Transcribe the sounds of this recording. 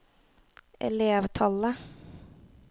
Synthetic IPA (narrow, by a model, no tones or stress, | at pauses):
ʔɛ̰leːʋt̪ʰɑlə